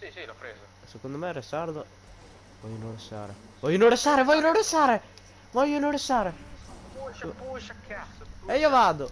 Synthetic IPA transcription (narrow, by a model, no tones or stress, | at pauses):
sekond̪omɛɾɛsaɾd̪o | vɔjːunõɾesa̰ɾḛ | vɔjunõɾesaːɾevɔjonõɾesaːɾe | vɔʎːonoɾesaːɾe | eiːovaːd̪o